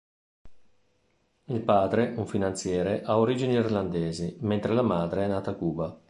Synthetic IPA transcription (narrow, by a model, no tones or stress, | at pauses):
ilpaːd̪ɾeʔuɱfinant̪sjɛːɾeʔaoɾiːd͡ʒiniirland̪eːziment̪ɾelamaːd̪ɾeɛnːaːt̪akuːba